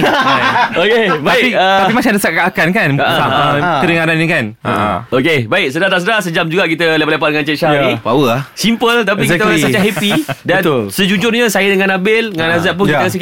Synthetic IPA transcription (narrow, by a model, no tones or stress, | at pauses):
okebaikiət̪apimat͡ʃaŋdəsaʔkaakankanaaəɾəŋaɾannikan̰okebaɪk̚sədaht̪as̬ədahsəd͡ʒamd͡ʒuɡaʔkit̪əlepaʔlepaʔ̚dəŋant͡ʃɛtʃanibawəahsimpəlt̪ap̬ikit̪əsət͡ʃaɦɛpidansəd͡ʒud͡ʒʊrɲasajədəŋãnabɪlŋanazat̪̚pʊniəkasək